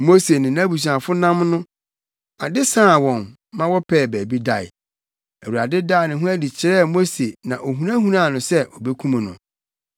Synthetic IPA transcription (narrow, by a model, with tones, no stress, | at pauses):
mo˦se˨nɪ̃˨nã˦bu˨s̬ã˨fʊ˦nã˦mnʊ̃˦ | a˨dɪ˦sã˦˨wɔ̃˨n | mã˦wɔ˦pʰɛː˦˨bæː˨bi˦da˨ɪ̰˨ | æ˨wu˨ɾa˨dɪ˦daː˦˨nɪ̃˨ɦʊ̃˦æ˦di˨t͡ɕʰɪ˨ɾɛː˦˨mo˦se˨nã˨ʔo˨ɦũ˨ã˦ɦũ˦ɾã˦˨nʊ̃˨sɛ˦ʔɔ˨be˦kʰũ˦mã˨nʊ̰̃˨